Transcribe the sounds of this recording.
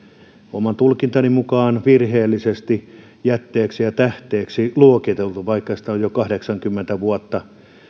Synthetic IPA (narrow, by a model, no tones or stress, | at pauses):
omɑnt̪ulkint̪ɑnimukɑːnʋirheːlːisest̪i | jæt̪ːeːksijɑt̪æht̪eːksiluokit̪elt̪uʋɑikːɑsi̥t̪æojjokɑhdeksɑŋkymːent̪æʋuɑt̪ːɑ